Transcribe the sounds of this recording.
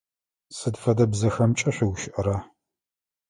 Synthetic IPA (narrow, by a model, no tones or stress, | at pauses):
sɨdfɐdɐbzɐxɐmt͡ʃʼɐɕʷɪwʃʔɐɾaː